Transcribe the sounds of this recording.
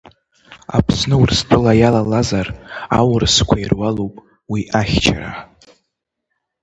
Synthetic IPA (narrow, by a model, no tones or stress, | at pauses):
a̰pʰsnɨwrstʷʰʼʊlajalalazarawrskʷʰairwalowpʼ | wiʔaχʲt͡ʃʰa̰ra̰